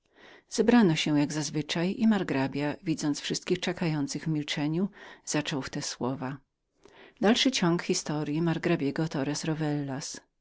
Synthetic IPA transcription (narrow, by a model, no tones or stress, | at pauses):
z̥ɛbɾanɔɕɛjaɡzazvɘt͡ʂajimaɾɡɾabʲjavʲid̪zɔnt̪sfʂɘst̪̚kʲixt͡ʂɛkajɔnt̪sɘɣvmʲilt͡ʂɛɲuz̥at͡ʂɔwft̪ɛswɔva | d̪alʂɘt͡ɕɔŋkxʲist̪ɔɾjimaɾɡɾabʲjɛɡɔt̪ɔɾɛsɾɔvɛlːas